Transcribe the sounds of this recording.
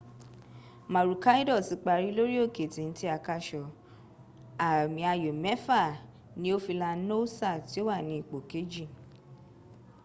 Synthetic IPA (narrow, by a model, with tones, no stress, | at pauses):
ma˨ɾu˨ka˦i˦dɔ˦˨si˨˧˦k͡pa˧˨ɾi˨˦lo˦ɾi˦o˦˨ke˨tĩ˨n̩˦ti˦a˧ka˧ʃɔ˨ | a˨mĩ˧a˧jo˨mɛ˨˦fa˦˨ | nĩ˧˦o˦fi˧la˧˦no˦sa˦˨ti˨˦o˦wa˦˨nĩ˨˧i˦˨k͡po˨ke˨˦d͡ʒi˦˨